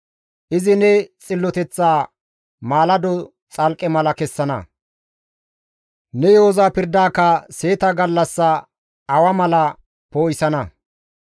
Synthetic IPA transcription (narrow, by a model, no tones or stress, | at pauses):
ʔɪzɪnɛt͡sʼɪlːɔt̪ɛt͡sːaː | maːlɐd̪ɔ | t͡sʼɐlkʼɛmɐlɐkɛsːɐnɐ̰ | nɛjoːzaːpɪɾd̪aːkːɐse̞ːt̪ɐɡɐlːɐsːɐ | ɐwɐmɐlɐ | poːjsɐnɐ